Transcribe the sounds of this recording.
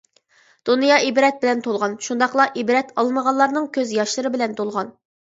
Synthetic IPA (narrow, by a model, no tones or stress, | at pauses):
d̪̥unjɑʔibɾɛt̪̚bɪlɛnt̪ʰolˠʁɑnʃund̪ɑqlˠɑʔibɾɛt̪ʰɑlˠməʁɑlːˠɑɾnɨŋkʲʰøzjɑʃlˠɨɾɨbɪlɛnt̪ʰolˠʁɑn